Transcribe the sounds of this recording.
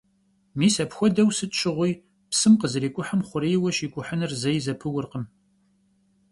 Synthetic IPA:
miːsɐpxʷɔdɐwsɨtt͡ʃʰɪʁʷij | psɨmqəzɨriːkʷʼʊħəmχʷʊɾeːjwɐʃiːkʷʼʊħənɨrzɐjzɐpʰɨwʊrqəm

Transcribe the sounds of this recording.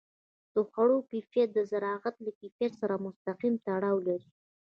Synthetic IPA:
d̪̥əxaɽokifjad̪əzaɾɑɣat̪lakifjasaɾamʊst̪aqimt̪aɽɑwlaɾi

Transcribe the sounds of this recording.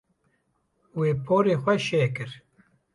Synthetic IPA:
weːpʰoːɾeːxʷɛʃeːkɨɾ

